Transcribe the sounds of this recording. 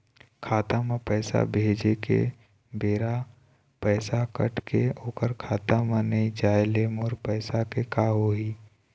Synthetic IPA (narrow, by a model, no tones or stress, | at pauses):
kʰaːt̪amãpɛːsa̰bʱeːd͡ʒekḛ | beːɾa | pɛːsakə̰ʈkeoːkəɾkʰaːt̪amanəid͡ʒaːjleːmoːɾpɛːsakekaːɦoɦiː